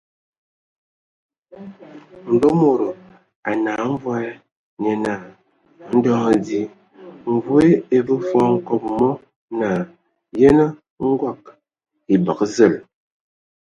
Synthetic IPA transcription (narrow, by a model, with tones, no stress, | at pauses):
m̩˨bo˦mo˨ɾo˨ | a˨naː˨˦ɱ̩˦vɔ˦ɛ˦ | ne˨na˨ | n̩˦dɔ˦ŋ˨di˦ | m̩˨vwe˦e˨bə˦fɔ˦ŋ̩˦kɔ˨p̚mɔ˦ | naː˨ | je˦nə˦ | ŋ̩˦ɡwa˦˨k | i˨bə˨kzə˦˨l